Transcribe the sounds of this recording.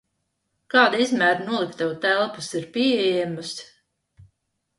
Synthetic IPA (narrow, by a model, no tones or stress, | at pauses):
kɑːd̪aizmæːɾnuɔlˠikt̪awt̪ælˠpusiɾpʲiɛjɛmus